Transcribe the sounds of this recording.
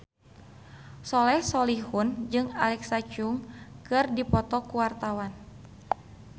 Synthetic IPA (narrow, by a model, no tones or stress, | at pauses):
sɔlɛhsɔlihund͡ʒɨŋalɛksat͡ʃuŋkɨrdipɔt̪ɔkuwart̪awan